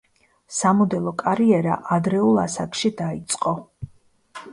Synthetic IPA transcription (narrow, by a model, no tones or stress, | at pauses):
samɔd̪ɛlˠɔkʼaɾiɛɾa̰ʔad̪ɾɛulˠasakʰʼʃid̪ait̪sʼqʼɔ